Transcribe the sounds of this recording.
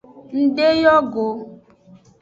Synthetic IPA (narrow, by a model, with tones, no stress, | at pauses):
n̩˨de˦jɔ˦ɡo˨